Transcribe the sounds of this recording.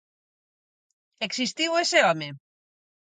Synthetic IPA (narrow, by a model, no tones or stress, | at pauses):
eksist̪iweseame